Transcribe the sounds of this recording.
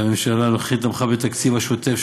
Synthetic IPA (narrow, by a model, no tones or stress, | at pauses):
amemʃalaloχit̪amχabet̪akt͡sivaʃot̪ef